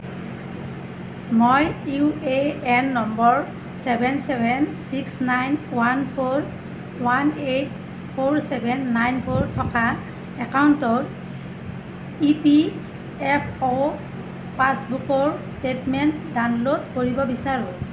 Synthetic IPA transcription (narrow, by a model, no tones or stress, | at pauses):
mojueɛnːɔmbɔɹ | sɛbʱɛnsɛbʱɛnsiksnajnwanpʰoɹ | wanet | pʰoɹsɛbʱɛnːajnpʰoɹtʰɔka | ɛkauntɔt | ipi | ɛpʰɔ | pasbukɔɹstetmɛntdanlodkoɹibɔbisaɹũ